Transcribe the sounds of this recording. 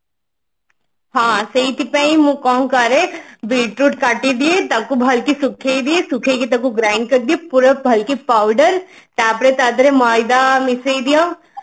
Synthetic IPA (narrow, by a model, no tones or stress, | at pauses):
ɦãːsɐit̪ipeĩmũkɔːŋkaɾeʋilʈɾuːʈkaʈid̪iet̪ɐb̚kubʱɐlkisʊkʰeid̪iesʊkʰekit̪ɐkuɡɾaːɪɳɖ̚kɐɾd̪iepʊɾbʱɐlkipaːʊɖəɾ | t̪aːpɾet̪aːd̪ɾemaːjd̪amɪseid̪ija